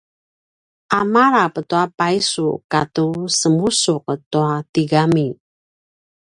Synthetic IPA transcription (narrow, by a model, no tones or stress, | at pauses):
ʔamaɾapətuapajsukatusəmusuk̚ət̪uat̪iɡami